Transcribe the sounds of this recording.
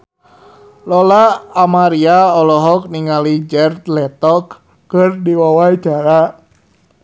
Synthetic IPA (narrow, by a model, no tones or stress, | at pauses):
lɔlaːmaɾiaɔlɔɦɔk̚niŋalid͡ʒɛrt̪lɛt̪ɔkː | ɨrdiwawaid͡ʒ̥aɾa